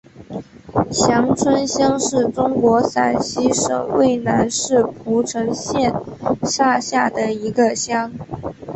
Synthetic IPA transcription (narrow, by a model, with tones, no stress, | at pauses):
ɕjɑ˧˥ŋt͡sʰwə˥nɕjɑ˥ŋʂɻ̩˥˩ʈ͡ʂʊ˥ŋkwɔ˧˥sa˨˩nɕi˥ʂɤ̰˨˩ŋwe˥˩ɪna˧˥nʂɻ̩˥˩pʰu˧˥ʈ͡ʂʰɤ˧˥ŋɕjɛ˥˧nʂa˥˧ɕja˥˩d̪ə˩i˧˥ɡə˧ɕjɑ˥ŋ